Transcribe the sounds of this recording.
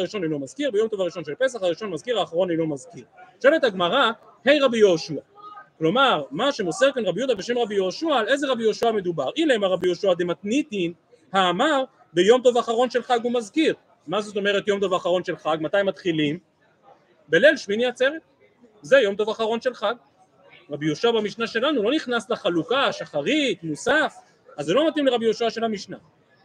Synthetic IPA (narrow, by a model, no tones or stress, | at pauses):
aʁiʃo̞nejnomazkiʁbejo̞mt̪o̞vaʁiʃo̞nʃelpe̞s̬aχaʁiʃo̞nmazkiʁaːχaʁo̞nejnomazkiʁʃelet̪aɡmaʁa | he̞jʁabijoːʃuaklo̞maʁmaʃe̞moseʁkanʁabjud̪abe̞ʃe̞mʁabijoːʃuaːle̞jzeʁabijoʃuame̞d̪ubaʁʔileemaʁabijoʃuad̪emat̪nit̪in | haːmaʁ | bejo̞mt̪̬o̞vaːχaʁo̞nʃe̞lχaɡhumazkiʁ | mazo̞t̪̬o̞me̞ʁet̪jo̞mt̪o̞vaːχaʁo̞nʃe̞lχaɡmat̪ajmat̪χilim | be̞lelʃminiat͡seʁet̚ | zejo̞mt̪o̞vaːχaʁo̞nʃe̞lχaɡ | ʁabijoʃuabamiʃnaʃe̞lanulo̞niχnasleχalukaʃaχaʁit̪musaf | azelo̞mat̪imleʁabijoʃuaʃe̞lhamiʃna